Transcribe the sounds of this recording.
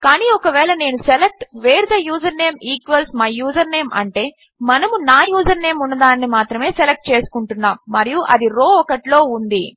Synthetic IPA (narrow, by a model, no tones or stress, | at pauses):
kaːniːɔkɐʋɛːɭɐne̞ːnuselek̚ʈʋeːɾd̪ɐjuːd͡ʒɐɾneːmiːkʋɐlsmaːjuːd͡ʒɐɾne̞ːmʔɐ̰ɳʈe̞ː | mɐnɐmunaːjuːd͡ʒɐɾne̞ːmunːɐd̪aːnːimaːt̪ɾɐme̞ːselek̚ʈ̚t͡ʃe̞ːsu̥kuɳʈunːaːmːɐɾijuʔɐ̰d̪iɾo̞ːɔkɐʈlo̞ːund̪i